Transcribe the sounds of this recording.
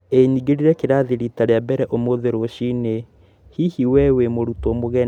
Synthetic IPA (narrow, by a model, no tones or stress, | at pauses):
eɲiɡeɾiɾɛkeɾaðiɾitaɾeabɛɾɛʔomoðeɾoʃine | hihiwɛwemoɾutomoɣɛ